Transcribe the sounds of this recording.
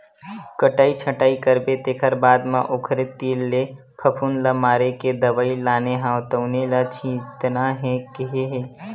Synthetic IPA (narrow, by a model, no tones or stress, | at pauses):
kəʈaːit͡ʃʰəʈaːikəɾbet̪eːkʰəɾbaːd̪mãʔokʰɾet̪iːlːe | pʰɐpʰunlamaːɾeked̪ɐbaːilaːneɦãt̪əʊnelat͡ʃʰĩːt̪naɦɛ̃kɪɦeɦeː